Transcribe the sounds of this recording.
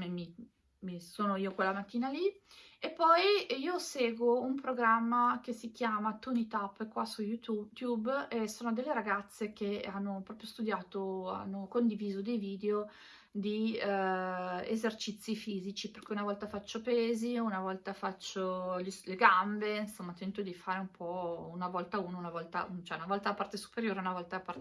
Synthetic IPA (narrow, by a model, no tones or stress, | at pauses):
memi | misoːnoiːokwelːamat̪ːiːnaliepːɔjiːoseːɡwoumpɾoɡɾamːak̟esik̟jaːmat̪unit̪apːkwasujuut̪jubesoːnod̪elːeɾaɡat̪sːek̟eanːopɾɔːpɾjost̪ud̪jaːt̪oa̰nːokond̪iviːzod̪ejviːd̪eo | d̪i | ḛzert͡ʃit̪sːifiːzit͡ʃiperkɛunavɔlt̪afat͡ʃːopeːziunavɔlt̪afat͡ʃːoʎisleɡambeinsomːat̪ɛnt̪od̪ifaːɾeumpʰɔunavɔlt̪auːnounavɔlt̪a̰ut͡ʃɛunavɔlt̪aapart̪esu̥peɾjoːɾeunavɔlt̪apar